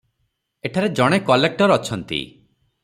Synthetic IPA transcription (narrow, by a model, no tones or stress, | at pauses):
eʈʰaɾed͡ʒɔɽ̃ekɔlek̚ʈɔɾɔt͡ʃʰɔnt̪ḭ